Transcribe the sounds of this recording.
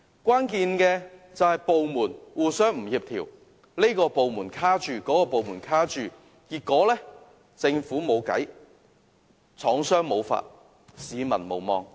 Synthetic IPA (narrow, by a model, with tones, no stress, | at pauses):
kʷaː˥nkiː˧nkɛː˧t͡sɐ˨whɐ˨jpo˨wmuː˨˩nwuː˨˩sœː˥ŋm̩˨˩jiː˨p̚t̪ʰiː˨˩w | le˥kɔː˧po˨wmuː˨˩nkʰaː˥t͡ʃyː˨kɔː˨˥kɔː˧po˨wmuː˨˩nkʰaː˥t͡ʃyː˨˩ | kiː˧kːɔː˨˥lɛː˥ | t͡sɪ˧ŋfuː˨˥mo˨˧wkɐ̰˨˥j | t͡sʰɔː˨˥ŋsœː˥ŋmo˨˧wfa̰ː˧t̚ | siː˨˧mɐ̰˨˩nmo̰˨˩wmɔ̰ː˧ŋ